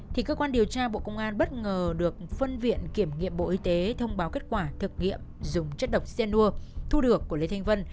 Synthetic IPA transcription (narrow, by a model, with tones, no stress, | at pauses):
t̪ʰi˨˩kəː˧kwaː˧nɗi˨˩əwt͡ɕaː˧ɓo̰˧˨kə˧wŋ͡mʔaː˧nɓə˦˥t̚ŋəː˨˩ɗɨ˨˩ək̚fə˧nvḭ˧˨ənki˧˩əmŋḭ˧˨əmɓo̰˧ʔi˧t̪e˨˦t̪ʰə˧wŋ͡mɓaː˨˦wke˦˥t̚kwaː˧˩t̪ʰɨ˨˩k̚ŋḭ˧˨əmzʊ˨˩ŋ͡mt͡ɕə˦˥t̚ɗə˨˩wk͡p̚sɛ˧nːu˧ət̪ʰu˧ɗɨ˨˩əkːu˧˩əle˨˦t̪ʰa˧jŋ̟və˧n